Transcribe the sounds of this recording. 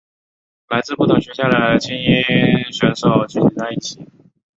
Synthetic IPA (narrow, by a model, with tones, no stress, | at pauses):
la˧˥ɪt͡sɹ̩˥˧pu˥˩t̪ʰʊ˨˩ŋɕɥɛ˧˥ɕja˥˩d̪ə˩t͡ɕi˥ni˥ɕɥɛ˧˥nʂo˨˩˦ʊt͡ɕy˥˩t͡ɕʰi˨˩t͡sa˥˧ɪi˥˩t͡ɕʰi˨˥˦